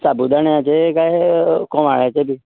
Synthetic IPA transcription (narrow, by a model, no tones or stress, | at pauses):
sabud̪aɳjãt͡ʃekaɦekõːʋa̰ːɭaːt͡ʃeːbʱiː